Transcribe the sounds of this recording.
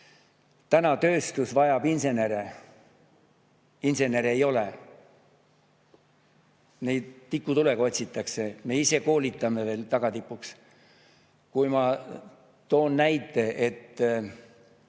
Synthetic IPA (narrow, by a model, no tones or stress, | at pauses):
t̪ænɑt̪ø̞ːst̪usvɑjɑb̥inse̞ne̞ɾe | inse̞ne̞ɾejo̞le̞ | nejd̪t̪ikːut̪ule̞ɡɑo̞t̪ʲsit̪ːˑɑkse̞me̞ise̞ko̞ːlʲit̪ːˑɑme̞ve̞ːlt̪ɑɡ̥ɑt̪ipːˑuks | kujmɑ | t̪o̞ːnːæjt̪ːˑe̞ʔet̪ː